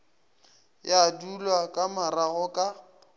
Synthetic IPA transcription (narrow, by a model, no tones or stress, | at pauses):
jadulwakʼamaraɣɔkʼa